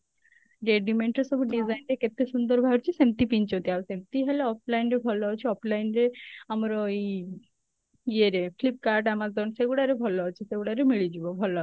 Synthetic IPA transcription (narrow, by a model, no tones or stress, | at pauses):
ɾeɖimeɳʈɾesɔbʱuɖid͡zajnɖeket̪ːesund̪əɾbʱaɔɾt͡ɕisemt̪ipiɲt͡ɕɦot̪iaʋsẽmt̪iɦeleɔplainɾebʱɔlːɔt͡ɕʰiɔpʰlainɾeamɾɔi | jeɾeflip̚kaɾʈamad͡zd̪ɔnseɡuɽaɾebʱɔlːɔt͡ɕʰiseɡuɽaɾemiɭid͡ʑubɔbʱɔla